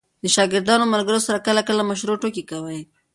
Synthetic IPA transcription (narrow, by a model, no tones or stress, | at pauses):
d̪̥əʃɑɡɪɾd̪ɑnomaɾɡəɾosaɾakəlakəlamaʃɾoʈokikawəj